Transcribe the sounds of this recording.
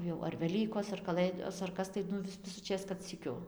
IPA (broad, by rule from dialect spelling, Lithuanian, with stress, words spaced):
jɛʊ ɐr ʋʲɛˈlʲiːkoːs ɐr kɐˈlˠɘdoːs ɐr ˈkɐs tɐɪ ˈnʊ ʋʲɪs tɐɪ ʋʲɪsʊˈt͡ʃʲeːs kɐt sʲiːˈkʲʊ